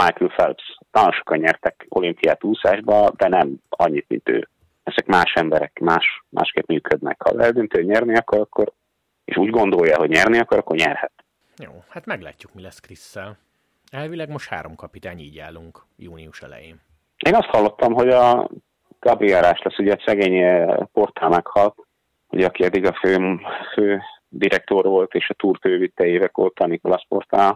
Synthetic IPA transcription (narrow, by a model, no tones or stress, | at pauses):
majkylfɛ̰lpst̪ːɒlaːloʃo̞kɒɲɲɛrt̪ɛko̞limpijaːt̪uːsaːʒbɒd̪ɛnɛmɒɲːit̪mḭnt̪ø̰ː | ɛzɛkmaːʃɛmbɛɾɛkmaːʃma̰ːʃkeːp̪myːkʰød̪nɛ̰khɒ̰lɛɛd̪ønt̪øːɲɛrniɒkːo̞ɾɒkːo̞r | ḛːʃuːɟɡo̞nd̪o̞jːɒɦo̞ɟɲɛrniɒkːoɾɒkːo̞rɲɛrhɛt̪ | joːhat̪mɛɡlaːcːukmilɛskrisːɛl | ɛlvilɛɡmo̞ʃt̪ha̰ːɾomkɒpit̪aːɲiːɟa̰ːluŋk | juːniuʃɛ̰lɛ̰jeːn | eːnɒst̪hɒlːo̞t̪ːɒmɦo̞ɟɒ | ɡ̥ɒbriɒɾaːʃlɛsːuɟɛːsɛɡeːɲɛpo̞rt̪ʰaːmɛkhɒlt̪ | ṵɟɛɒkiɒd̪ːiɡɒføːmføː | d̪iɾɛk̚t̪o̞rʋo̞lt̪eːʃɒt̪uːrføːvit̪ːɛjeːvɛko̰rt̪aniklɒspo̞̰rt̪aː